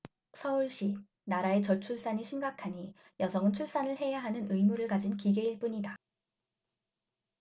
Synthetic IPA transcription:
sʰʌuɭɕ͈i | naɾae̞t͡ɕʌt͡ɕʰuɭs͈aɲiɕʰimɡakʰaɲi | jʌsʰʌŋɯnt͡ɕʰuɭs͈anɯɭɦe̞jaɦanɯnɯimuɾɯɭkad͡ʑinkiɡe̞iɭp͈uɲida

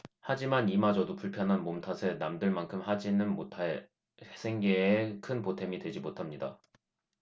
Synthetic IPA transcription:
had͡ʑimanimad͡ʑʌdopuɭpʰjʌnɦanmomtʰasʰe̞namdɯɭmankʰɯmhad͡ʑinɯnmotʰae | sʰe̞ŋɡe̞ekʰɯnpotʰe̞midwe̞d͡ʑimotʰamɲida̰

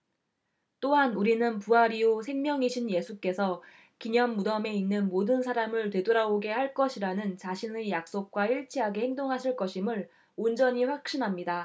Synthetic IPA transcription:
t͈oɦanuɾinɯnpuaɾiosʰe̞ŋmjʌŋiɕʰinje̞sʰuk͈e̞sʰʌ | kiɲʌnːudʌme̞inːɯnmodɯnsʰaɾamɯɭtwe̞doɾaoɡe̞ɦhaɭk͈ʌɕʰiɾanɯnt͡ɕaɕʰinejak̚s͈ok̚k͈waiɭt͡ɕʰiɦaɡe̞heŋdoŋɦaɕʰiɭk͈ʌɕʰimɯɭ | ond͡ʑʌɲiɸwak̚ɕ͈inɦamɲida

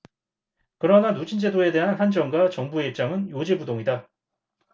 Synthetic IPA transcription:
kɯɾʌnanud͡ʑʰind͡ʑe̞doe̞de̞ɦanhand͡ʑʌŋɡwat͡ɕʌŋbue̞ip̚t͡ɕ͈aŋɯnjod͡ʑibudoŋida

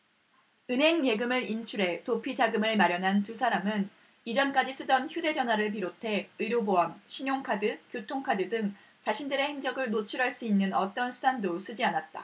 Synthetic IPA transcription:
ɯnɦe̞ŋje̞ɡɯmɯɾint͡ɕʰuɾe̞topʰid͡ʑaɡɯmɯɭmaɾjʌnɦantusʰaɾamɯn | id͡ʑʌnk͈ad͡ʑis͈ʰɯdʌnçjude̞d͡ʑʌnwaɾɯɭp̬iɾotʰe̞ɯɾjoboamɕʰiɲoŋkʰadɯkjotʰoŋkʰadɯdɯŋ | t͡ɕaɕʰindɯɾe̞heŋd͡ʑʌɡɯɭnot͡ɕʰuɾaɭs͈uinːɯnʌt͈ʌnsʰudandos͈ɯd͡ʑianat̚t͈a̰

